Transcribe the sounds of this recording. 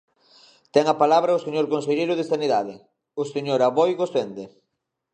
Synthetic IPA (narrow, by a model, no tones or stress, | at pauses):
t̪ɛŋapalaβɾɐʊseɲoɾkõnseʎeɾʊðesaniðaðɪ | ʊseɲoɾaβojɣosend̪e